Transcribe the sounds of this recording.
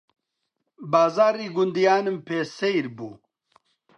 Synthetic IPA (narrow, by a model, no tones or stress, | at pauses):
baːzaːɾiːɡʊnd̪ijaːnɨmpʰeːsejɾbuː